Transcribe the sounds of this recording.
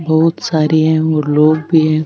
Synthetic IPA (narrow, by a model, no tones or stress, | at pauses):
bɐɦʊt̪saːɾiɦɛ̃oːɾloːɡbʱiɦɛ̃